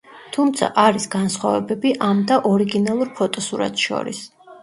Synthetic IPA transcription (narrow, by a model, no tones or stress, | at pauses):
t̪ʰumt̪sʰa̰ʔaɾisɡansχwavɛbɛbiʔamd̪aʔɔɾiɡinalˠuɾpʰɔt̪ʼɔsuɾa̰t̪ʰʃɔ̰ɾḭs